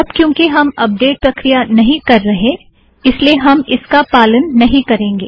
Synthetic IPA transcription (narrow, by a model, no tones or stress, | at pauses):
ɐbkjõːkiɦɐmɐp̚ɖeːʈ̚pɾɐkɾijanɐɦĩkɐɾːɐɦẽ | ɪslieɦɐmɪskapaːlənːɐɦĩkɐɾẽːŋɡeː